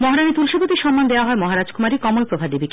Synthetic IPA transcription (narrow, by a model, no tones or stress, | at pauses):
mɔɦaɾanit̪ulʃobot̪iɾʃɔmːand̪eoaɦɔemɔɦaɾad͡ʑkumaɾikɔmolpɾobʱabd̪ebik